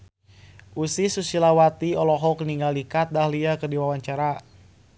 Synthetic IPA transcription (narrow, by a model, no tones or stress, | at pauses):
ʔusisusilawat̪iɔlɔɦɔkəniŋɡalikat̪̚dahliakərdiwawaɲt͡ʃaɾa